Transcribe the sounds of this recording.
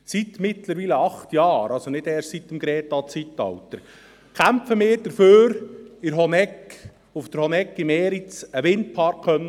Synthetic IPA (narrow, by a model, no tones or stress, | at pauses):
sit̪mɪt̪ləɾʋiləɑχt̪jɑːɾʔɑlsonɪd̥̪ɛːrʃtsit̪ːəmɡɾɛːtɑt͡sitːɑ̰wt̪əɾ | kʰæmfəmɪːɾd̥əɾføːɾɪɾɦɔnɛk | ufd̥̪əɾhɔnɛkːɪmeːɾit͡səʋɪnt̚pʰɑɾkχœn